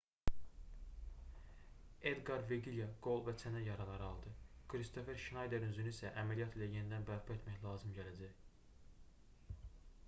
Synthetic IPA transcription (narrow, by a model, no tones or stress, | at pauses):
ed̪ɡɑɾveɡiljɑɡ̥o̞lˠvæt͡sʰænæjɑɾɑlˠɑɾɯɑlˠd̪ɯkʰɾist̪ʰo̞fe̞ɾʃinɑjd̪eɾynzynisæʔæmælijɑt̪ilæjenid̪ænbæɾpʰɑe̞t̪mæçlˠɑːzɯmɟælæd͡ʒæj